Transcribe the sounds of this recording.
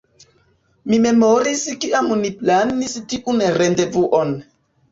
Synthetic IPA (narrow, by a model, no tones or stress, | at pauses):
mime̞moɾiskiamniplanistiʔunɾendevuʔon